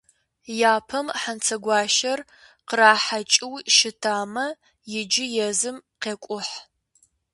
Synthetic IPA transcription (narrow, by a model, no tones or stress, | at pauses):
jaːpʰɐmħant͡sʰɐɡʷɑːʃɐr | qəraːħat͡ʃʼɪwʃɪtʰaːmɐ | jɪd͡ʒɪjɛzɨmqeːkʷʼʊħ